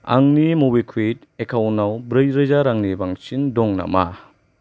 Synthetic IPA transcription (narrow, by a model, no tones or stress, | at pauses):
a̰ŋnimowikʰwit̚ | ekʰawnawbɾɯjɾɯjzaɾaŋnibaŋsindɔŋna̰ma̰